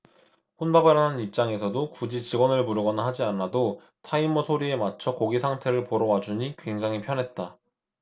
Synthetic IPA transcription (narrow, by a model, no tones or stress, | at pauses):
ɸonbabɯɾanɯnip̚t͡ɕ͈aŋe̞sʰʌdokud͡ʑit͡ɕiɡwʌnɯɭmuɾɯɡʌnaɦad͡ʑianado | tʰaimʌsʰoɾie̞mat͡ɕʰʌkoɡisʰaŋtʰe̞ɾɯɭpoɾʌwad͡ʑuɲikwe̞ŋd͡ʑaŋɦipʰjʌnɦe̞t̚t͈a